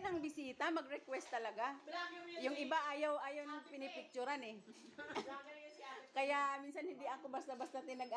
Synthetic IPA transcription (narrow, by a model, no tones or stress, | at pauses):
nɐŋbɪsiːt̪amɐɡɾɛkwɛst̪ːɐlɐɡa | jʊŋʔɪbaʔaːjawʔaːjawnɐŋpɪnɪpɪk̚t͡ʃʊɾanɛ | kɐjamiːnsɐnhɪnd̪ɪʔɐkobast̪ɐbast̪ɐt̪ɪnɐɡ